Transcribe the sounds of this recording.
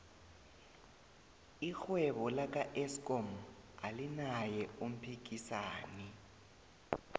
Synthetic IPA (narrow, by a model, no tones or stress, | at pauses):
ixwɛɓɔlak̬ʼaʔɛskʼɔmalinajɛum̩pʰik̬isaːni